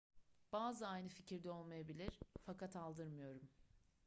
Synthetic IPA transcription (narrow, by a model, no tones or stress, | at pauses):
b̥aːzɯajnɯficʰiɾd̪ɛo̞lˠmajabilʲiɾ̥fakat̪alˠd̪ɯɾmɯjo̞ɾum